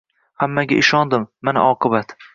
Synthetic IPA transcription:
hamːaɡʲa̰ʔɪʃɒnd̪ɪmːana̰ʔɒqʰɨbat̪

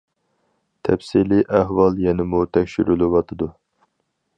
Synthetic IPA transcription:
t̪ʰɛpsiliʔæɦwɑlˠjɛnɪmut̪ʰɛkʲʃyɾylɨwɑt̪ʰɨd̪u

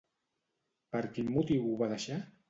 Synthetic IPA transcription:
pəɾkimːut̪iwuβaðəʃa

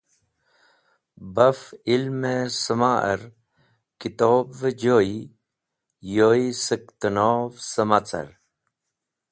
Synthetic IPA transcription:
bɐfilmesəmaːʔə̰ɾ | kit̪oːbʋəd͡ʑoːi | joːisək̚t̪ənoːʋsəmat͡sɐ̰ɾ

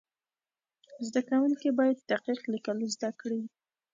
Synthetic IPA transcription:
zd̪akawuŋkibɑjad̪ːaqiqlikəlozd̪akɽi

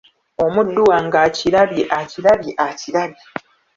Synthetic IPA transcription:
o̞mudːuwaŋɡaciɾaβiʔaciɾaβiʔaciɾaβi

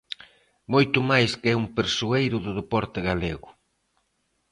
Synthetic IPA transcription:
mojt̪ʊmajskɛumpeɾsuejɾʊðʊðepɔɾt̪ɪɣaleɣʊ

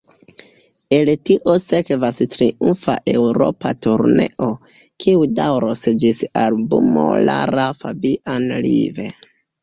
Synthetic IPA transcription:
e̞ltiʔose̞kvastɾiunfa̰ʔe̞wɾo̞̰patuɾneʔo | kʰiudawɾosd͡ʒisalbumo̰la̰ɾafabiʔanlḭve̞

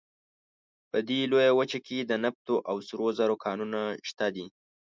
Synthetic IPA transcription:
pəd̪elojawət͡ʃakʰed̪ənap̚t̪oʔawsɾozaɾokʰɑnunaʃt̪ad̪i

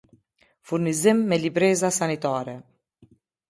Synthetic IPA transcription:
fuɾnizimːɛlibɾɛzasanit̪aɾɛ

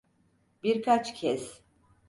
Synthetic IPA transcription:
biɾkʰat͡ʃcʰɛs

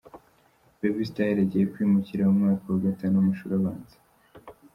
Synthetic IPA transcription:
bebistajeɾeɟijekwiːmuciɾaumŋaːkawaɡatanuumuʃuɾaβaːnze̥

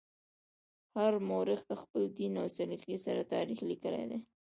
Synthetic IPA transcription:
haɾmoɾɪxd̪əxpəld̪inawsaliqisaɾat̪ɑɾixlikəlḛd̪ḛ

